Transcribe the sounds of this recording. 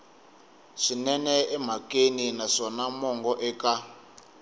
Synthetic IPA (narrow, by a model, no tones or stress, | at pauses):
ʂinɛnɛɛmakʼeninaʂɔnamɔŋɡɔʔɛka